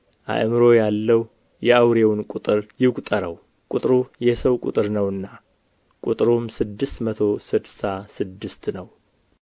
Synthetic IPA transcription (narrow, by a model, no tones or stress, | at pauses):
ʔa̰ʔmɨɾo̞jalːəw | jɛawɾewnkʼut̪ʼɨɾjɪkʼt̪ʼəɾəw | kʼut̪ʼɾujɛsəwkʼṵt̪ʼɨɾnəwɨnːa | kʼut̪ʼɾumsɨd̪ːɨst̪mət̪ʰo̞sɨd̪sasɨd̪ːɨst̪nəw